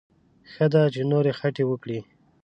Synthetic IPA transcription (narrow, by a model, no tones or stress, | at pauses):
xəd̪at͡ʃenoɾexaʈewəkɽi